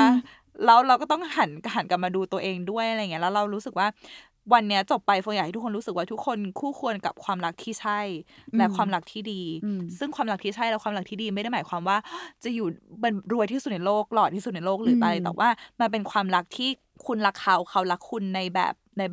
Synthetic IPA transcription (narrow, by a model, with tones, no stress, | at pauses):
a˩ | lɛ˦˥wɾa˧wkɔː˥˩t̪ɔ˥˩ŋha˩˦nka˧˩ɦa˩˦nka˨˩p̚maː˧duː˧t̪u˧ɐʔeː˧ŋdu˥˩jʔa˨˧ɾŋi˦˥lɛ˦˥wɾa˧wɾuː˦˥sɯ˨˩k̚waː˥˩ | wa˧nːi˦˥ɐt͡ɕo˨˩pːa˧jfa˧ŋja˨˩ha˥t̪ʰu˦˥kʰo˧ɾu˦sɯ˨˩k̚waː˥˩t̪ʰu˦˥kʰːo˧nkʰuː˥˩kʰu˧ənka̰˨˩p̚kʰwaː˧mɾa˦˥k̚t̪ʰiː˥˩t͡ɕʰa˥˩jlɛ˦˥kʰwaː˧mɾa˦˥k̚t̪ʰiː˥˩diː˧sɯ˥˩ŋkʰwaː˧mɾa˦˥k̚t̪ʰiː˥˩t͡ɕʰa˥˩jlɛ˦˥kwaː˧mɾa˦˥k̚t̪ʰiː˥˩diː˧ma˥˩jda˥˩jmaː˩˦kwaː˧mwaː˥˩t͡ɕa˨˩juː˨˩mɤ˧˩ɾu˧t̪ʰiː˥˩su˨˩na˧jloː˥˩k̚lɔː˨˩iː˥˩u˨˩na˧jloː˥˩k̚lɯː˩˦t̪a˧jt̪ɛ̰˨˩wʔaː˥˩ma˧npe˧nkʰwaː˧mɾa˦˥k̚t̪ʰiː˥˩ | kʰu˧nla˦˥kʰːa˦˥wkʰa˦˥wla˦˥kʰːu˧nːa˧jbɛ̰ː˨˩p̚na˧j